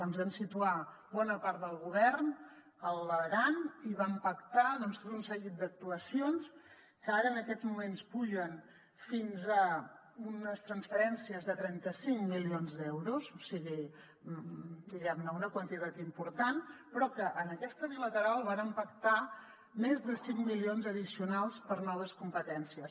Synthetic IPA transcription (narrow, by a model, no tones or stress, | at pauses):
dɔnzβamsit̪ua | bɔnəpaɾt̪̚d̪əlˠɣuβɛɾn | əlˠəɣaniβampəkt̪aðɔnst̪ot̪unsəɣit̪̚d̪ək̚t̪uəsions | kəaɾəːnəkɛzmumenspuʒən | finzə | unəst̪ɾənsfəɾɛnsiəzðət̪ɾɛnt̪əsiŋmilionzd̪ɛwɾusosiɣi | d̪iɣɛmnəunəkwənt̪it̪at̪impuɾt̪anpɾɔkəʔənəkɛst̪əβilət̪əɾalˠβanəmpəkt̪a | mezðəsiŋmilionzəðisiunalˠspəɾnɔβəskumpət̪ɛnsiəs